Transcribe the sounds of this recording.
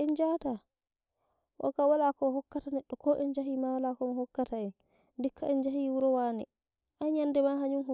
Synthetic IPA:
ʔɛnd͡ʒaːta | wɔ̰kawalakɔhɔkːatanɛɗːɔkɔʔɛnd͡ʒaɦimawalakɔmaɦɔkːataɛn | dikːaɛnd͡ʒahiːwuɾɔwaːnɛ | ʔaɲandɛmaɦaɲunhɔ

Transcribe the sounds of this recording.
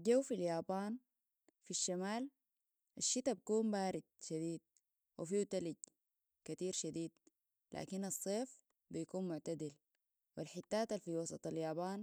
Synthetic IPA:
ɟawfiljaːbaːn | fiʃːamaːl | ʔaʃːit̪abakuːmbaːɾid̪̥̚ʃad̪iːd̪̚ | wʔifiːt̪aliɟ̪ | kat̪iːɾʃad̪iːd̪̚ | la̰ːkinɑsˤːeːf | bijakuːnmʊʕt̪ad̪il | wilħit̪ːaːt̪alfiwɑsˤɑ̰t̪ˤɑljaːbaːn

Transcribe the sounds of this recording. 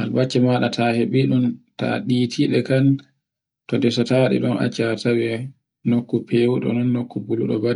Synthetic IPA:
ha̰lbat͡ʃːɛmaɗatʰaheɓiɗunta̰ɗiːtʰiɗɛkan | tɔndɛsɔtaɗɛ̰ɗɔna̰t͡ʃːatawɛ | nokːupʰeːwuɗɔ̰nɔnːokːubuluɗɔ̰badɛ

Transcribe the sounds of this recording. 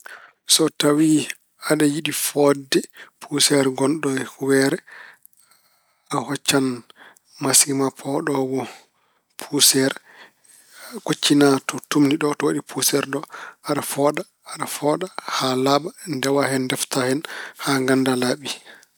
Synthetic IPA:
sɔtawi | aɗajiɗifɔdːɛpʰusɛɾɡɔnɗɔwɛɾɛ | ahɔt͡ʃːan | masɡimapʰɔɗɔwɔ | pʰusɛɾ | kot͡ʃːinatɔtumniɗɔtɔwaɗipʰusɛɾɗɔaɗafɔɗaːɗafɔɗahalabandɛwahɛndɛftahɛnhaŋɡandalaɓi

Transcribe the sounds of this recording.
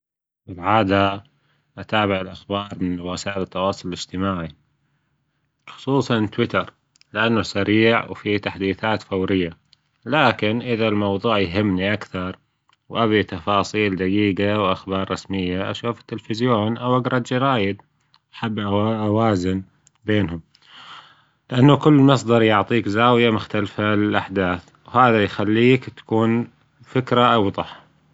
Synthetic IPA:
fɪlʕaːd̪a | ʔat̪aːbɪʕɪlʔaxbɑːɾˤmɪnwɪsaːʔɪlɪt̪ːɑwɑːsˤʊlɪlɪd͡ʒt̪ɪmaːʕi | xʊ̥sˤuːsˤɑnt̪wɪt̪ɑɾˤ | lɪʔanːʊsaɾiːʕwfit̪aħd̪iːθaːt̪fawɾɪjːa | laːkɪnʔɪðalmɑwðˤuːʕjɦɪmːniʔakθɑɾˤ | wʔaβit̪ɑfɑːsˤiːld̪aɡiːɡawʔaxbɑːɾˤːɑsmɪjːaʔa̰ʃuːfɪ̥t̪ːɪlfɪzjoːnʔawʔaɡɾˤɑd̪d͡ʒɪɾaːjɪd̪ | aħabːʔaʔawaːzɪn | beːnhʊm | lɪʔanːakʊlːmɑs̬ˤd̪ɑɾˤjʊʕt̪ˤiːkzaːwɪjamʊxt̪alfalɪlʔaħd̪aːθ | whaːðajxalːiːkt̪ḁkuːn | fɪkɾaʔɑwðˤɑħ

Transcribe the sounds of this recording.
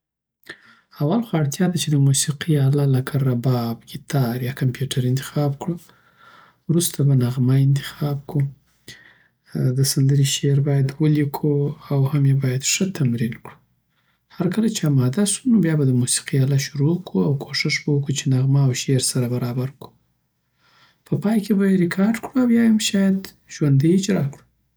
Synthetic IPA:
awalxaɽt̪jɑd̪at͡ʃed̪əmusiqiɑlalakʰaɾabɑbɡit̪ʰɑɾjɑkampjuʈʰaɾɪnt̪ɪ̥xɑbkɽu | wɾust̪abanaɣmaɪnt̪ɪ̥xɑb̚ku | d̪əsand̪əɾiʃeɾbɑjad̪wəlikʰuawhamjebɑjad̪ʂət̪ʰamɾinkɽu̥ | haɾkəlat͡ʃeamɑd̪asunobjɑbad̪əmusi̥qijɑlaʃuɾokuawkʰoʂɪʂbawəkut͡ʃenaɣmaːwʃeɾsaɾabaɾɑbaɾku̥ | pʰəpɑjkebajeɾɪkʰɑɾɖkɽuawjɑjamʃɑjad̪ | ʒwand̪iɪd͡ʒɾɑkɽu̥

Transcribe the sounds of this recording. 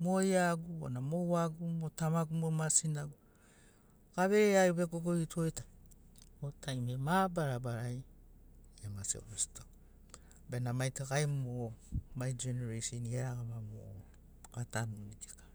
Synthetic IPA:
mojaɡuonamowaɡumotamaɡumomasinaɡu | kaβeɾeajuβeɡoɡoitʰoeta | otajmemabaɾabaɾaj | amasḭo̰misi̥to | benamajtakajmomajd͡ʒeneɾesoniaɾaɡamamo̰ | atanuɾitikḁ

